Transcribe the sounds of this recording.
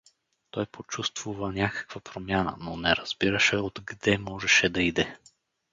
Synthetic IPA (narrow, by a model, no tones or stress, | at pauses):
t̪ɔjpot͡ʃust̪vuvənʲakə̥kv̥əpɾomʲjanə̰nonɛɾɐz̥biɾəʃɛod̪ɡd̪ɛmɔʒɛʃɛd̪ɐid̪ɛ